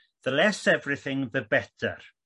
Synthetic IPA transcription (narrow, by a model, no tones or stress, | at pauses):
ðəlɛsɛvrɪθɪ̃ŋðəbɛtʰə̰r